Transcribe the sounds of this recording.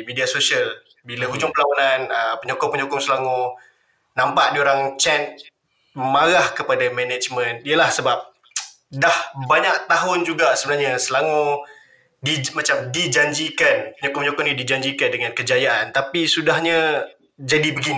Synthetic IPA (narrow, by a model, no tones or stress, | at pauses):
midiasosial | bilaud͡ʒʊŋpəlawananəpəɲokɔpəɲɔkʊmsəlaŋu | nãmpaʔdioɾaŋt͡ʃɛt̪̚ | maɾahkəpadamɛnɛd͡ʒmə̃niəlahsəbap̚ | dahbaɲak̚t̪aɦʊnd͡ʒuɡasəbənarɲasəlaŋu | dimat͡ʃamdid͡ʒaɲd͡ʒikanpəɲɔkʊpəɲɔkʊnidid͡ʒaɲd͡ʒikandəŋãnkəd͡ʒajaʔant̪apisudahɲa | d͡ʒadibəɡin